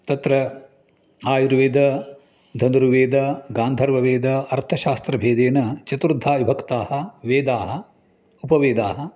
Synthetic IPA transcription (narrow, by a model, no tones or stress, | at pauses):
t̪ɐt̪ɾɐ | aːjuɾʋeːd̪ɐ | d̪ʱɐnd̪ɾuʋeːd̪ɐɡaːnd̪ʱɐɾʋɐʋeːd̪ɐɐɾt̪ʰɐʃaːst̪ɾɐbʱeːd̪eːnɐt͡ʃɐt̪ɾud̪ʱːaːʋibʱɐkt̪aːhɐʋeːd̪aːɦɐ̆ | upɐʋeːd̪aːɦɐ̆